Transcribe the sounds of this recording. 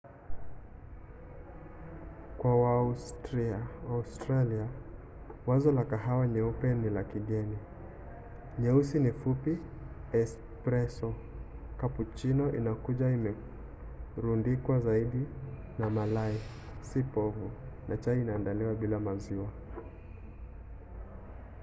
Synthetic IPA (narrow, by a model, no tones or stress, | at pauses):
kwawaustɾiaaustɾalia | wazɔlakaɦawaɲɛupɛnilakiɠɛni | ɲɛusinifupi | ɛs | pɾɛsɔ | kaput͡ʃinɔʔḭnakuʄaimɛ | ɾundikwazaiɗi | namalai | sipɔvunʔat͡ʃaiinaɛndaliwaɓilamaziwa